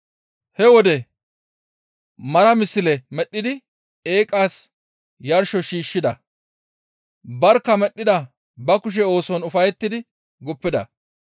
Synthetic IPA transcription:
hɛwɔd̪ɛ | mɐɾɐmɪsːɪlɛmɛɗːɪd̪ɪ | eːkʼaːs | jɐɾʃɔʃiːʃːɪd̪ɐ | bɐɾkːɐmɛɗːɪd̪ɐ | bɐkʊʃ̬ɛo̞ːsɔnʊfɐjɛt̪ːɪd̪ɪ | ɡʊpːɪd̪ɐ

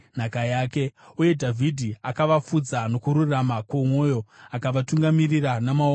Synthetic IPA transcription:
n̤akajaːke̞uje̞dʱavʱidʱiakaʋafud͡zano̞kuɾuramakwomwo̞jo̞akaʋatuŋɡamiriranamao

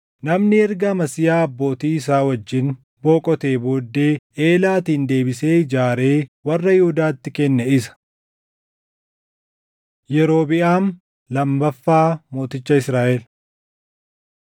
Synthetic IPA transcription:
nɐmnɪɛɾɡɐmɐsɪjaːɐbːo̞ːt̪iːɪs̬aːwɐd͡ʒːɪn | bo̞ːkʼɔt̪e̞ːboːd̪ːeːeːlaːt̪iːnd̪e̞ːbɪse̞ːd͡ʒaːɾe̞ːwɐrːɐjɪhud̪aːt̪ːɪkɛnːɛɪsɐ̥ | jɛɾo̞ːbɪʔaːn | lɐmbɐfːaːmo̞ːt̪ɪt͡ʃːɐɪsɾaːʔɛl

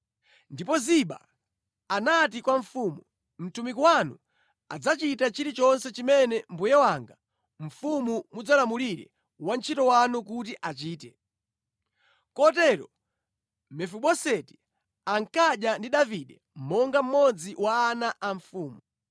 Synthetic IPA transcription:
ndipɔziɓa̰ | anatikwaɱ̩fumu | m̩tumikiwanu | a̰d͡zat͡ʃitat͡ʃiɾit͡ʃɔnsɛt͡ʃimɛnɛmbujɛwaŋɡa | ɱ̩fumumud͡zalamuliɾɛ̰ | want͡ʃʰitɔwanukut̬iʔat͡ʃiːtɛ | kɔtɛɾɔ | mɛfuɓɔsɛti̥ | aŋkaɗjandiɗaviɗɛ | m̩mɔŋɡam̩mɔd͡ziwaːnaʔaɱfuːmu

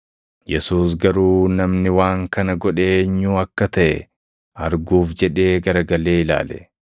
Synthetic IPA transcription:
jɛsuːs̬ɡɐɾuːnɐmnɪwaːŋkɐnɐɡɔᶑeːɲːuːɐkːɐt̪ɐʔɛ | ɐɾɡuːfd͡ʒɛᶑe̞ːɡɐɾɐɡɐle̞ːɪla̰ːlɛ̰

